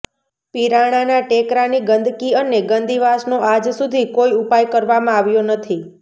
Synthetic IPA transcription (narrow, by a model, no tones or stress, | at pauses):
piɾaɽ̃anaʈekɾaniɡənd̪ʱkiəneɡənd̪iʋasnoʔad͡ʒsud̪ʱikoiupajkəɾʋamãaʋjonət̪ʰi